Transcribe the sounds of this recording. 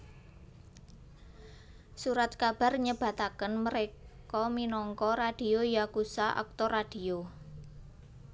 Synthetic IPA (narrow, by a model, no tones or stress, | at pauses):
suɾat̪̚kab̥a̤rɲəb̥a̤t̪akənməɾekɔminɔŋkɔɾad̥i̤ojakusaʔɔ̰k̚t̪ɔrad̥io